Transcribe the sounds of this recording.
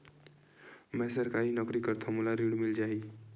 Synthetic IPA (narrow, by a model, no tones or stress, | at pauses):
mɛsəɾkaɾinɔkɾikəɾt̪ʰɔmulaɾiɽmild͡ʒai